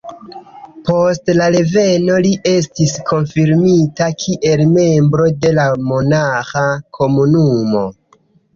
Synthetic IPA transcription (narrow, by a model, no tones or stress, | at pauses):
po̞stlaɾe̞ve̞no̞liʔe̞s̬tiskʰo̞nfiɾmitakʰiʔe̞lme̞mbɾo̞de̞lamonaxakʰo̞munumo̞̰